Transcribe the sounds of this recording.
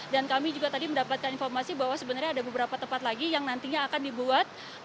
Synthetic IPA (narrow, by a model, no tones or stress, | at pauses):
dankamid͡ʒuɡat̪adiməndapat̪̚kaninfɔrmasibaɦwasəbənarɲaːdabəbəɾapat̪əmpat̪laɡijaŋnant̪iɲaːkandibuat̪̚